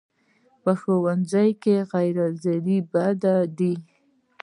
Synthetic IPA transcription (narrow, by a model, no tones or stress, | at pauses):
pəxowand͡zajkeɣajɾazaɾibad̪ad̪i